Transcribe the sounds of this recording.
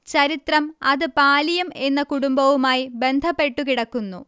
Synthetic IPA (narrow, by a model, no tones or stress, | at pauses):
t͡ɕɐɾit̪rɐmɐðɨpaːlijɐme̞nːɐkuɽumbɐʋumaːjibe̞nd̪ʱɐpːe̞ʈːukiɽɐkːunːṵ